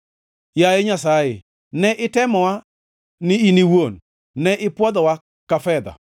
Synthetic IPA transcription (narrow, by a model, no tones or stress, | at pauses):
jajeɲasajɪ | nɛʔɪtɛmɔwa | nɪiniwon | nɛʔɪpwɔd̪ɔwa | kafɛd̪a̰